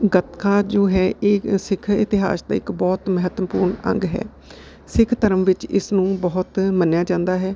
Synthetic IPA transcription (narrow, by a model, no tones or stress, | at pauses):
ɡət̪kaːd͡ʒoːɦɛːʔeːsɪkʰɪ̰t̪ɪɦa̰ːsd̪a̰ːɪkbɔːt̪məɦət̪əpṵːɾɳə̰̃ŋɡɦɛ̰ː | sɪkʰt̪əɾəmʋɪt͡ʃɪ̰snũːbɔːʊt̪mənjaːd͡ʒãːnd̪aːɦɛː